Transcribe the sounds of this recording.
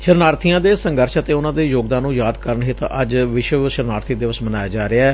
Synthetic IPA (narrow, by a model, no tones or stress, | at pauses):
ʃəɾnaːɾt̪ʰijãːd̪eːsəŋɡəɾʃət̪eːʊnãːd̪eːjoːɡd̪ãːnːũːjaːd̪kəɾəɳɦɪt̪əd͡ʒʋɪʃʋəʃəɾnaːɾt̪ʰid̪eːʋəsmənaːjaːd͡ʒaːɾeaɛː